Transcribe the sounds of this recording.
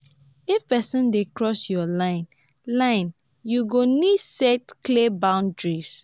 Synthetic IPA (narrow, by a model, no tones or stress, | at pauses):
ifpɛsə̃ndekɹɔsjɔlãɪ̃n | lãɪ̃n | juɡonisɛtklebãʊ̃ndɹis